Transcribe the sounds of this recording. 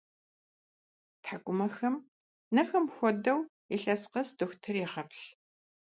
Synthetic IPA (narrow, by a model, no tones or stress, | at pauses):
tħakʷʼʊmɐxɐm | nɐxɐmxʷɔdɐw | iɬʼɐsqɐsdɨxʷtʰɨriːʁɐpʰɬ